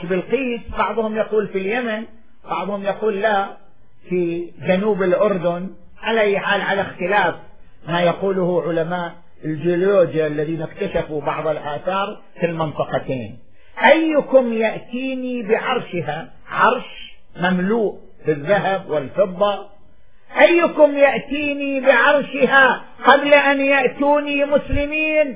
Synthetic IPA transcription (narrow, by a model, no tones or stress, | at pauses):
ʃbɪlqiːsbɑʕðˤhʊmjaquːlfiljaman | b̥ɑʕðˤhʊmjaquːlːa | fid͡ʒanuːbɪlʔʊɾd̪ʊn | ʕalaʔajːħaːlʕalaxt̪ɪlaːf | majaquːlʊhʊʕʊlamaːʔ | ɪld͡ʒɪoloːd͡ʒjaʔlːaðiːnɪkt̪aʃafubɑʕðˤɪlʔaːθɑːɾˤ | fɪlmɪnt̪ˤɑqɑt̪ḛːn | ʔajːkʊmjaʔt̪iːnibɪʕɑɾˤʃɪɦa | ʕɑɾˤʃ | mamluːʔ | bɪðːaɦabwɪlfɨbˤːɑ | ʔajːkʊmjaʔt̪iːnibɪʕɑɾˤʃɪha | qɑblaʔanjaʔt̪uːnimʊslɪmiːn